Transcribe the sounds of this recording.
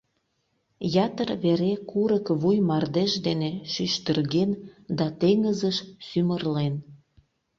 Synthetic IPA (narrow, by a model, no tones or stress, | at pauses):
jɑt̪ərβeɾekuɾəkβujmɑrd̪eʃd̪eneʃyʃt̪ərɣend̪ɑt̪eŋəzəʃsymərlen